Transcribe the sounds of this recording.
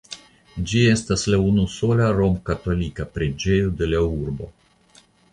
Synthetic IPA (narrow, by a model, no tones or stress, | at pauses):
d͡ʒie̞staslaunuso̞laɾo̞mkat̪o̞likapɾed͡ʒe̞jud̪e̞lauɾbo̞̰